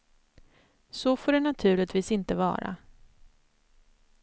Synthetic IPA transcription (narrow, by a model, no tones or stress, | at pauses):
sɔfoːɖɛnat̪ʰʉ̟ːɭɪt̪viːsɪnt̪əvɑ̰ːɾa̰